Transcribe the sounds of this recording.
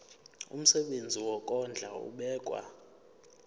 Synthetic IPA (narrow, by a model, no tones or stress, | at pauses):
ṵm̩sɛɓend͡zʱiwɔkʼɔnd͡ɮʱa̰ṵɓɛːkʼwa̰